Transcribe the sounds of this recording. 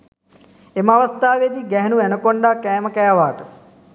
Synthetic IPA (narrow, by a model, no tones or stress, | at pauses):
emaʋɐst̪aːʋed̪iɡɛɦenuænəkoɳɖaːkɛːməkɛːʋaːʈə